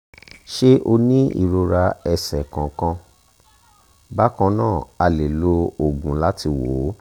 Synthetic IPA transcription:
ʃe˦ʔo˧nĩ˦ḭ˨ɾo˧ɾa˧ɛ˨sɛ˨kã˨kã˧ | ba˦kã˧nãː˦˨a˧le˨lo˧o˨ɡũ˨la˦ti˧wo˨˦

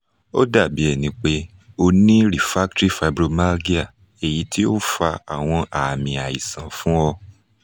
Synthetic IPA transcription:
o˦da˦˨bi˨˦ɛ˦˨nĩ˨˦k͡pe˦ | o˧nĩ˦ɾi˨fa˦k̚tɾi˦fa˧˨bɾo˧ma˦lɡi˦a˦˨ | e˨ji˨˧tʰi˦o˦fa˧a˨w̃ɔ̃˧ʔa˨mĩ˨a˨i˨sã˨fũ˦ɔ˧

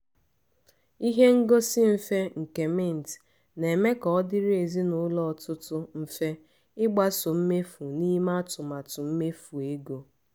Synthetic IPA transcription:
i˦ɦe˦ŋ̩˦ɡo˦sɪ˦m̩˦fe˦ŋ̩˨ke˨me˦˨n̩˨t | ne˨me˦kɔ˨ɔ˦dɪ˦ɾe˨zi˦nʊ˨˦lɔ˦˨tʊ˦tʊ˦m̩˦fe˦ | ɪ˦ɡ͡ba˦sʊ˨m̩˦me˦fu˨ni˦ma˦tʊ˨ma˨tʊ˨m̩˦me˦fu˨e˦ɡo˨

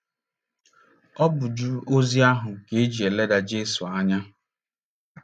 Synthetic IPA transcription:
ɔ˦bʊ˨d͡ʒu˦o˦zi˦a˦ɦʊ˨ke˨e˦d͡ʒi˨e˨le˦da˨d͡ʒe˦su˨a˦ɲa˦

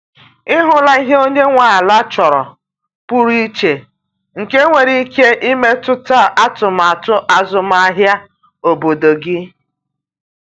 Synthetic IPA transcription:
ɪ˦ɦʊ˨la˦i˦ɦe˦o˦ɲe˦ŋʷa˨la˦t͡ʃɔ˨ɾɔ˨ | pu˦ɾi˦t͡ʃe˨ | ŋ̩˨ke˦ŋʷe˨ɾi˦ke˦ʔi˦me˦tʊ˦ta˦˨ʔa˦tʊ˨m˨a˨tʊ˦ʔa˨zʊ˨m˦a˦ɦja˦ | o˨bo˨do˨ɡɪ˦

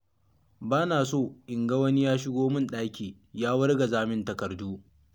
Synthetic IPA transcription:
baː˦naː˨soː˦˨ʔɪ˨ŋɡɐ˦wɐ˦ni˦jaː˦ʃɪ˦ɡʷoː˦mɪ˦nɗaː˦kʲiː˨ | jaː˦wɐ˦rɡa˨zaː˦mɪ˦ntɐ˨kɐ˨rduː˦

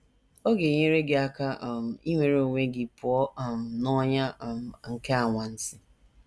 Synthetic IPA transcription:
o˦ɡe˨ɲe˦ɾe˦ɡe˨a˦ka˦ʔm̩˨i˦ŋʷe˨ɾe˦o˨ŋʷe˦ɡi˨pʊ˨ɔ˦˨m̩˨nɔ˦ɲa˦˨m˨ŋ̩˨ke˦a˨ŋʷa˨n̩˦sɪ̥˦

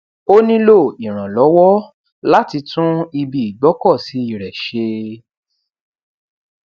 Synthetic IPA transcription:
o˦nĩ˦lo˦˨i˨ɾ̃ã˨lɔ˨˦wɔ˦ | la˦ti˧tũ˦i˧bi˨i˨ɡ͡bɔ˨˦kɔ˦˨si˨˦i˦˨ɾɛ˨ʃe˧

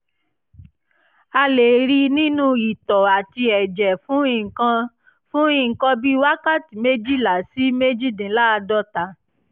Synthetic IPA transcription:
a˧le˨ɾi˧nĩ˦nũ˦i˨tɔ˨a˨ti˧ɛ˨d͡ʒɛ˨fũ˨˦ĩ˨kã˧ | fũ˦ĩ˦˨ŋ̩˨kɔ̃˧bi˦wa˦ka˦˨ti˨me˦d͡ʒi˦˨la˨˦si˦me˦d͡ʒi˦dĩ˨˦la˦˧dɔ˦ta˨˦

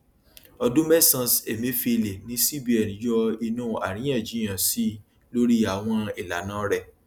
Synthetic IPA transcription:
ɔ˧dũ˦mɛ˦sã˧˨se˨mẽ˨˦fi˧˨le˨nĩ˨˦si˦˨bi˨˦ɛ˨nĩ˨˦jɔ˧i˧nũː˦˨a̰˨ɾĩ˨˦j̃ɛ̃˦˨d͡ʒĩ˨˦ã˨si˦ | lo˦ɾi˦a˨w̃ɔ̃˧i˨la˨˦nãː˦ɾɛ˦˨

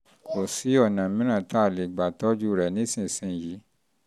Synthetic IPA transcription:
ko˨si˨˦ɔ˦˨nã˨mĩ˦ɾ̃ã˦˨ta˦˨le˨ɡ͡ba˨tɔ˦d͡ʒu˦ɾɛ˨nĩ˦sĩ˦˨sĩ˧˦˨ji˨˦

